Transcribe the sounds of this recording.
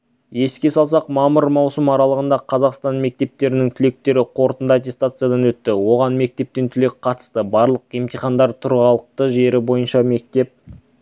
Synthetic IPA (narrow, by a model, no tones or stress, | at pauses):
je̞skʲe̞sɑlˠsɑqmɑməɾmɑwsəmɑɾɑlˠəʁənd̪ɑqʰɑzɑqst̪ɑnme̞k̚t̪e̞p̚t̪e̞ɾɪnɪŋt̪ʰʏle̞k̚t̪e̞ɾɪqʰo̞ɾt̪ənd̪ɑat̪̬ʲe̞st̪at̪sɨjad̪ɑnwɵt̪ːɪwo̞ʁɑnme̞k̚t̪e̞p̚t̪e̞nt̪ʰʏle̞kʲqʰɑt̪ə̥st̪əbɑɾlˠəqemt̪ijχɑnd̪ɑɾt̪ʰʊɾʁɑlˠəq̚t̪əʒe̞ɾɪbo̞jənʃɑme̞k̚t̪e̞p̚